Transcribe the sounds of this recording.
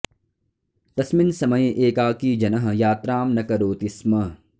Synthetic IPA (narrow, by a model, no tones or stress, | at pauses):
t̪ɐsmɪnsɐmɐjʔeːkaːkiːd͡ʒɐnɐɦjaːt̪ɾaːmnɐkɐɾoːt̪ismɐ